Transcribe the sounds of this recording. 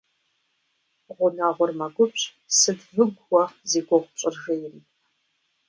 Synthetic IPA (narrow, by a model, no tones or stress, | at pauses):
ʁʷʊnaːʁʷʊrmɐɡʷʊpʼ | sɨdvɨɡʷwɔzeːɡʷɔʁʷt͡ʃʼɪrʒɐjɪriː